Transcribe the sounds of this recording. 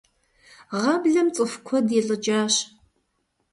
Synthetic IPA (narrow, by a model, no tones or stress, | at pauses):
ʁɑbɮɐmt͡sʼɨfkʷʰɔdeɬʼɨd͡ʒʼaːɕ